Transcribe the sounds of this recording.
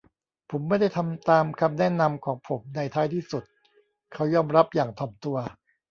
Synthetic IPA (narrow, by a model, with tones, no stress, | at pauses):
pʰo˩˦mːa˥˩jda˥˩jt̪ʰa˧mt̪aː˧mkʰa˧mnɛ˥˩na˧mkʰɔː˩˦ŋpʰo˩˦mna˧jt̪ʰaː˦˥˩jt̪ʰiː˥˩su˨˩t̪̚ | kʰa˦˥wjɔː˧˩mɾa˦˥p̚jaː˨˩ŋt̪ʰɔː˨˩mt̪u˧ɐ